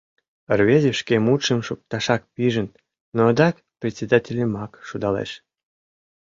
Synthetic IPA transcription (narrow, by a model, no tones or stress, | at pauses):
ərβezʲəʃkemut̪ʃəmʃuk̚t̪ɑʃɑk̚piʒən | nod̪ɑk | prʲetʲt͡sʲed̪atʲelʲemɑkʃud̪ɑlḛʃ